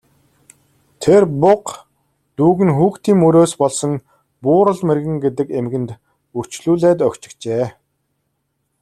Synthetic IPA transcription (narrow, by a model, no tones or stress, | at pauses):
t̪ʰerpʊq | t̪uːɣɘ̆nxuːkt̪iːŋːɵɾoːspɔɮsɞ̆ŋ | pʊːɾə̆ɮmerɣɘ̆ŋɡet̪̬ɘ̆kemɡɘ̆nt̪ | ur̥t͡ɕɮuːɮæːt̪œkt͡ɕɪ̥̆kt͡ɕeː